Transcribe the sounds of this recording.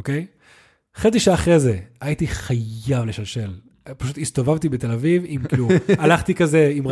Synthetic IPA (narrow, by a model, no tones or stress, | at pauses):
okej | χet͡siʃaaːχʁezeaitiχajavleʃalʃe̞l | paʃut̪ist̪o̞vavt̪ibet̪e̞lavivimklualaχt̪ikazeim